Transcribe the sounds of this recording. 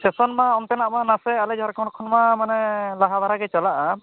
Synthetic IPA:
sɛsɔnmaɔnt̪ɛnaʔmanasɛalɛd͡ʒʱaɾkʰɔnkʰɔnmamanɛlaɦabaɾaɡɛt͡ʃalaʔa

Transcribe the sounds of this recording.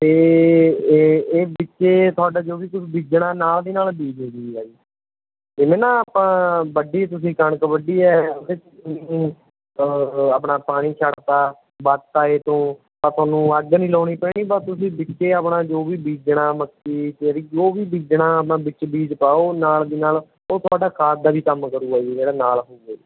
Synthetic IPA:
t̪eː | eːbɪtːʃeːt̪ʰʊaːɖaːd͡ʒoːʋiːk̪ʊsbiːd͡ʒɳaːnaːld̪iːnaːlbiːd͡ʒɦoːɡiːaːiː | ɪmẽːnaːpãːbəɖiːɛt̪̬ʊsĩːkəɳəkbəɖiːɛːod̪eːt̪ĩː | apɳaːpaːɽ̃iːt͡ʃʰaːɽt̪aː | bat̪t̪aːeːt̪õː | paːt̪ʰʊaːnũːəɡnĩːlɔːɽiːpɛːɽiːbat̪ʊsĩːbɪt͡ʃeːəpɳaːd͡ʒoːʋiːbiːd͡ʒɳaːməsiːtːɾiːd͡ʒoːʋiːbiːd͡ʒɳaːəp̬nãːbɪt͡ʃbiːd͡ʒpaːoːnaːld̪iːnaːl | oːsaːɖaːkʰaːt̪̚d̪aːbiːkəmkəɾuːaːid͡ʒeːɽaːnaːlɦoːɡaːi

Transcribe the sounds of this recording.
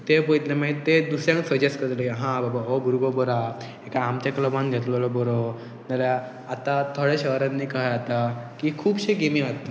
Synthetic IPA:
t̪ebojt̪lemat̪ed̪usɾjãŋksəd͡ʑeskəɾləɦãbabaobʱuɾɡobɔɾa | ekaːmt͡ɕakləbãnɡʱet̪lɔlɔbɔɾo | nalja | at̪at̪ʰoɭeɕəɦɾanːiːkajat̪akikʰuːbɕeɡemĩat̪ːa

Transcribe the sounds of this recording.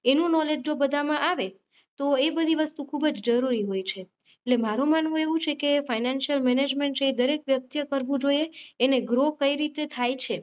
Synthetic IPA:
enũnɔled͡ʒd͡ʒobəd̪ʱamãʔaʋe | t̪oebəd̪ʱiʋəst̪ũkʰubəd͡ʒd͡ʒəɾuɾiɦojt͡ʃʰe | eʈlemaɾũmanʋũeʋũt͡ʃʰekefajnanʃəlmɛned͡ʒmeɳʈsəid̪əɾekʋjək̚t̪jəkəɾʋũd͡ʒojeːneɡɾokəiɾit̪et̪ʰajt͡ʃʰe

